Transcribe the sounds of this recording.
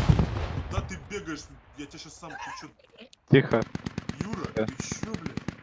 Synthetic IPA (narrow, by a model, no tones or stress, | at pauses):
d̪at̪ɨbʲeɡəjɪʂjatʲɪaɕasːamxʲɪt͡ɕu | tʲixəjuɾɐɐɕoblʲe